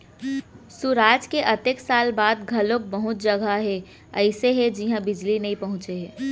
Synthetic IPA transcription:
suɾaːd͡ʒkeʔɐt̪eksaːlbaːd̪ɡʱɐlok̚bɐɦʊt̪̚d͡ʒɐɡʱaɦɛ | ɐɪseɦɛd͡ʒiɦãbɪd͡ʒlinɐĩpɐɦʊ̃t͡ʃeɦɛː

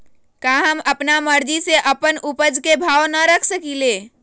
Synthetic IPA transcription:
kaɦəməpnaməɾd͡ʒiseʔəpənupəd͡ʒkebʱawnəɾəkʰsəkile

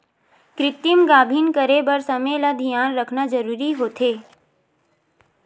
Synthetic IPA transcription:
kɾɪt̪ɪmɡaːbʱiːnkəɾebəɾsəmelad̪ʱijaːnɾəkʰnad͡ʒəɾuːɾiɦoːt̪ʰeː

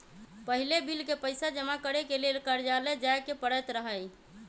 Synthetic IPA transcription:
pəɦilebilkepəɪsad͡ʒəmakəɾekelelkəɾd͡ʒaled͡ʒajkepəɽəjt̪ɾəɦəj

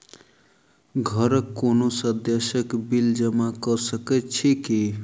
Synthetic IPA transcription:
ɡʱəɾəkːonosəd̪jesəkbild͡ʒəmakəsəket̪t͡ʃʰiki

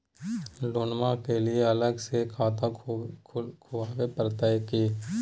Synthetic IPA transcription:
loːnmãkelieɐləɡsekʰaːt̪akʰkʰʊwaːwepɾt̪əjkiː

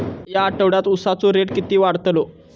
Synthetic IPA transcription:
jaːʈəʋɽjat̪usat͡soɾeɽkit̪iːʋaɽt̪lo

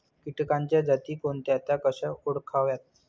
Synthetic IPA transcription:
kiʈkaɲt͡ɕjad͡zat̪iːkoɳt̪jat̪akəɕəoɽkʰaʋjat̪̚

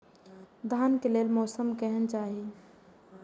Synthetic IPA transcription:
d̪ʱaːnkelelmɔːsəmkɛɦənt͡ʃaːɦi

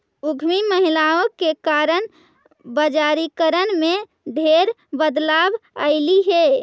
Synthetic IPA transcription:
uɡʱmiməɦilaokekaɾən | bəd͡ʒaɾikəɾənme | ɖʱeɾ | bəd̪labə̰ɪliɦe

